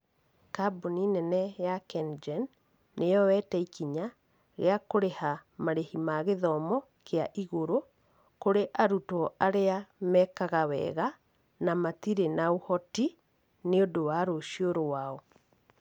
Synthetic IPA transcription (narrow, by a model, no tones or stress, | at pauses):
kaboninɛnɛjakɛnd͡ʒɛnː | ejɔwɛtɛikiɲa | ɣḛakoɾehamaɾehimaɣeðɔmɔ | kʰeaʔiɣoɾo | koɾeʔaɾutɔaɾeamɛkaɣawɛ̰ɣa | namat̪iɾenaohɔti | neodowaɾoʃioɾowaɔ